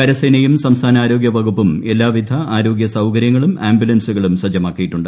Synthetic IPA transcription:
kɐɾɐsɐjnɐjumsɐmst̪ʰaːnɐaːɾo̞ːɡjɐbʱɐɡupːume̞lːaːʋid̪ʱɐaːɾo̞ːɡjɐsɐwkɐɾjɐŋːɐɭumaːmbjulɐnsuɣɐɭumsɐd͡ʑɐmaːkːijiʈːuɳɖɨ

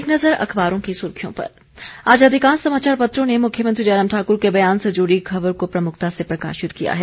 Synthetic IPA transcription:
knɐzəɾɐ̰xʰbaːɾõkisʊɾkʰijõ̰pɐ̰ɾ | aːd͡ʒaːd̪ʱikãːnsɐmaːt͡ʃaːɾpɐt̪ɾõnemʊkʰjəmɐ̃nt̪ɾid͡ʒaːɾəːmʈʰaːkʊɾkebɐjaːnsɐd͡ʒuːɾikʰɐʋəɾkopɾɐmʊkʰt̪asepɾɐka̰ːʃɪt̪kija̰ɦɛː

